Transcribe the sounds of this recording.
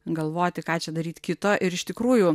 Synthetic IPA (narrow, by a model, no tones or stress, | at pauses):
ɡɐlˠʋoːt̪ʲɪkɑːt͡ʃʲɛd̪ɐɾʲiːt̪ʲkʲɪt̪oːʔɪɾɪʃt̪ʲɪkɾuːjʊ